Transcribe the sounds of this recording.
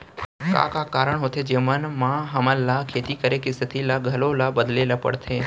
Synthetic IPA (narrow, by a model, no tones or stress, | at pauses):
ka̰kakaɾəɳɦot̪ʰed͡ʒemənmãɦəməlːakʰet̪ikəɾekɪsət̪ʰilaɡʱəlolabəd̪lelapə̰ɽt̪ʰe